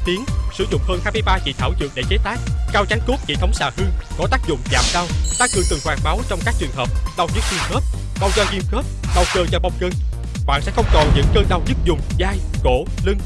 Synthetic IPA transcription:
t̪i˨˦əŋsɨ˧˩zʊ̰˧˨ŋ͡mhəː˧nhaː˧jm˧jɓaː˧t͡ɕḭ˧˨t̪ʰaː˧˩wzɨ̰˨˩əŋɗḛ˧˩t͡ɕe˨˦t̪aː˦˥k̚kaː˧wt͡ɕa˨˦ŋku˦˥p̚t͡ɕḭ˧˨˩t̪ʰə˨˦wŋ͡msaː˧˩hɨ˧kɔ˨˦t̪aː˦˥k̚zʊ̰˧˨ŋ͡mza̰ː˨˩mɗaː˧wt̪a˧ŋkɨ˨˩ŋt̪ɨ˨˩ŋhwaː˨˩ŋɓaː˨˦wt͡ɕɔ˧wŋ͡mkaː˦˥k̚t͡ɕɨ˨˩əŋɦəː˨˩p̚ɗa˧wzɨ˦˥k̚zi˧mxəː˦˥p̚ | ɗa˧wzɔ˧ɣi˧mxəː˦˥p̚ɗa˧wkəː˧t͡ɕɔ˧ɓa˧wŋ͡mkəː˧n | ɓa̰ː˧˨nsɛ̰˧˥xə˧wŋ͡mt̪ɔ˨˩nɲɨ̰˧˥ŋkəː˧nɗaː˧wzɨ˦˥k̚zʊ˨˩ŋ͡mzaː˧jko̰˧˩ | lɨ˧ŋ

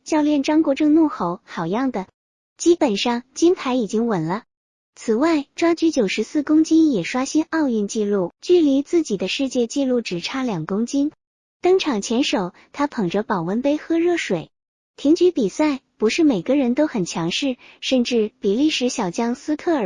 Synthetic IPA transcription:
t͡ɕjɑ˥˧ʊljɛ˥˩nʈ͡ʂɑ˥ŋkwɔ˥˧ʈ͡ʂɤ˥˧ŋnu˥˩xo˧˥ʊxɑ˨˩ʊjɑ˥˩ŋd̪ə˩ | t͡ɕi˥pə˨˩nʂɑ˥˩ŋt͡ɕi˥npʰa˧˥ɪi˨˩t͡ɕi˥ŋwə˨˩nlə˦ | t͡sʰɹ̩˨˩wa˥˩ɪʈ͡ʂwa˥t͡ɕy˧˥t͡ɕjo˨˩ʂɻ̩˧˥sɹ̩˥˩kʊ˥ŋt͡ɕi˥njɛ˨˩ʂwa˥ɕi˥nɑ˥˧ʊy˥˧nt͡ɕi˥˧lu˥˩t͡ɕy˥˩li˧˥t͡sɹ̩˥˩t͡ɕi˨˩d̪ə˦ʂɻ̩˥˧t͡ɕjɛ˥˧t͡ɕi˥˧lu˥˩ʈ͡ʂɻ̩˨˩ʈ͡ʂʰa˥ljɑ˨˩ŋkʊ˥ŋt͡ɕi˥n | t̪ɤ˥ŋʈ͡ʂʰɑ˨˩ŋt͡ɕʰjɛ˧˥nʂo˨˩˦ʊ | t̪ʰa˥pʰɤ˨˩ŋʈ͡ʂə˦˥pɑ˨˩ʊwə˧˥npe˥ɪxɤ˥ɻɤ˥˩ʂwe˨˩˦ɪ | t̪ʰi˧˥ŋt͡ɕy˧˥pi˨˩sa˥˩ɪ | pu˧˥ʂɻ̩˥˩me˨˩ɪɡə˧˦ɻə˧˥nt̪o˥ʊxə˨˩nt͡ɕʰjɑ˧˥ŋʂɻ̩˥˩ʂə˥˧nʈ͡ʂɻ̩˥˩pi˨˩li˥˩ʂɻ̩˧˥ɕjɑ˨˩ʊt͡ɕjɑ˥ŋsɹ̩˥kʰɤ˥˩ə˨˩

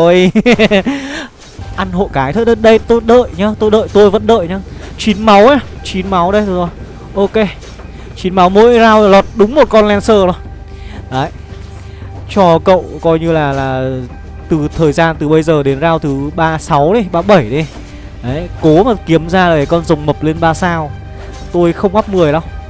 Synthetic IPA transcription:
o˨˧j | ʔa˧nɦo̰˧˨kaː˨˦jt̪ʰə˦t̚ə˧˦t̚ɗə˧jt̪o˧jɗə̰ː˧˨jɲaː˨˦t̪o˧jɗə̰ː˧˨jt̪o˧jvə̰˧˥nɗə̰ː˧˨jɲaː˨˦t͡ɕi˨˦nma˨˦waː˨˧t͡ɕi˨˦nma˨˦wɗə˧jt̪o˧jzɔ˨˦j | ʔo˧ke˧ | t͡ɕi˨˦nma˨˦wmo̰˧˥jzaː˧wlɔ˨˩t̚ɗʊ˨˦ŋ͡mmo˨˩t̚kɔ˧nlɛ˧nsəː˧˩ɗɔ˨˦j | ʔaː˨˦j | t͡ɕɔ˧kə̰˧˨wkɔ˧jɲɨ˧laː˨˩laː˨˩ | t̪ɨ˨˩t̪ʰəː˨˩jzaː˧nt̪ɨ˨˩ɓə˧jzəː˨˩ɗe˨˦nzaː˧wt̪ʰɨ˨˩ɓaː˧sa˨˦wɗə˨˦jɓaː˧ɓə˧˩jɗi˨˦ | ʔaː˨˦jko˨˦maː˨˩ki˨˦əmzaː˧laː˨˩a˨˩kɔ˧nzə˨˩wŋ͡mmə˨˩p̚le˧nɓaː˧saː˧w | t̪o˧jxə˧wŋ͡mʔa˦˥p̚mɨ˨˩əjɗə˨˦ŋ͡m

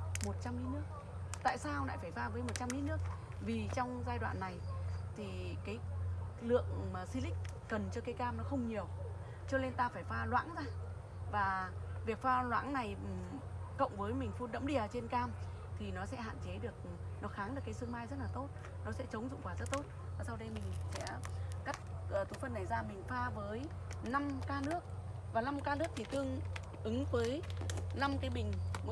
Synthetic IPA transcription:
mo˨˩t̚t͡ɕa˧mli˨˦nɨ˦˥ək̚ | t̪a̰ː˧˨jsaː˧wla̰ː˧˨jfaː˧˩jfaː˧vəː˨˦jmo˨˩t̚t͡ɕa˧mli˨˦nɨ˦˥ək̚ | vi˨˩t͡ɕɔ˧wŋ͡mzaː˧jɗwa̰ː˧˨nːa˨˩jt̪ʰi˨˩kaː˨˦j | lɨ̰˧˨əŋmaː˨˩si˧lï˦˥k̚ | kə˨˩nt͡ɕɔ˧kaː˨˦jkaː˧mnɔ˨˦xə˧wŋ͡mɲi˨˩əw | t͡ɕɔ˧ne˧nt̪aː˧faː˧˩jfaː˧lwa̰ː˧˥ŋzaː˧ | vaː˨˩vi˨˩ək̚faː˧lwa̰ː˧˥ŋna˨˩j | kə̰˧˨wŋ͡mvəː˨˦jmï˨˩ŋ̟fu˧nɗə̰˧˥mɗi˧˩ə˩t͡ɕe˧nkaː˧m | t̪ʰi˨˩nɔ˨˦sɛ̰˧˥ɦa̰ː˧˨nt͡ɕe˨˦ɗɨ˨˩ək̚ | nɔ˨˦xaː˨˦ŋɗɨ˨˩əkːaː˨˦jsɨ˧əŋmaː˧jzə˦˥t̚laː˨˩t̪o˦˥t̚ | nɔ˨˦sɛ̰˧˥t͡ɕə˨˦wŋ͡mzʊ̰˧˨ŋ͡mkwaː˧˩zə˦˥t̚t̪o˦˥t̚ | vaː˨˩sa˧wɗə˧jmï˨˩ŋ̟sɛ̰˧˥ka˦˥jk̚ə˨˩t̪u˨˦fə˧nːa˨˩jzaː˧mï˨˩ŋ̟faː˧vəː˨˦j | na˧mkaː˧nɨ˦˥ək̚ | vaː˨˩na˧mkaː˧nɨ˦˥ək̚t̪ʰi˨˩t̪ɨ˧əŋ | ʔɨ˨˦ŋvəː˨˦jna˧mkaː˨˦jmï˨˩ŋ̟˧

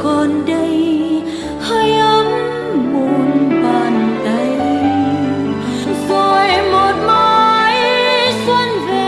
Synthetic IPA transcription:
kɔ˨˩nɗə˧j | həː˧jʔə˧m | mu˨˩nɓəː˨˩nɗə˧˩j | vəː˧˩jmo˨˩t̚maː˧jswə˧˥nve˧

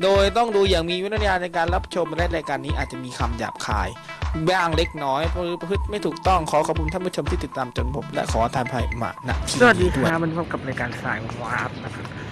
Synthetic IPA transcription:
doː˧jt̪ɔ˥˩ŋduː˧jaː˨˩ŋmiː˧w̪ʰaː˧na˧jkaː˧nɾa˦˥p̚t͡ɕʰo˧m˧la˦˥˩ɾaː˧jkaː˧nːiː˦˥ʔaː˨˩t̪̚t͡ɕa˨ʔmiː˧kʰa˧mja̰ː˨˩p̚kʰa̰ː˧j | baː˥˩ŋle˦˥k̚nɔː˦˥jɯː˨˦pa˧pʰɯ˦˥t̪̚ma˥˩jt̪ʰuː˨˩k̚t̪ɔ˥˩ŋkʰɔː˩˦kʰɔ˨˩p̚ʰu˧nt̪ʰa˥˨bu˥˩o˧mt̪ʰiː˥˩t̪i˨˩t̪ːaː˧mt͡ɕo˧npʰo˩˦mlɛ̰˦˥ʔkʰɔː˩˦t̪ʰaː˧npʰa˧jma̰ː˧na̰˧ʔt̪ʰi˧sa˧˨a˨˩diː˧kʰd̪u˧˨˩a˧˦˥ma˧npʰɔː˧˥˩ka˨˩p̚ɾaː˧jkaː˧nsa̰ː˨˩jwaː˦˥p̚na˦˥kʰa˦˥p̚

